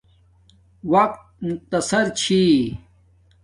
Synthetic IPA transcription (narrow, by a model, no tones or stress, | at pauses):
wɐq̚t̪̚mʊq̚t̪ɐsɐɾt͡ɕʰi